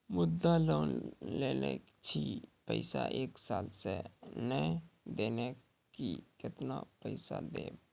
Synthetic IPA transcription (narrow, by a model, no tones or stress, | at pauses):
mʊd̪ːaloːnleːnḛ | t͡ʃʰipəɪsa̰ʔeːksaːlsenəd̪eːne | kikɪt̪napəɪsa̰d̪ḛːb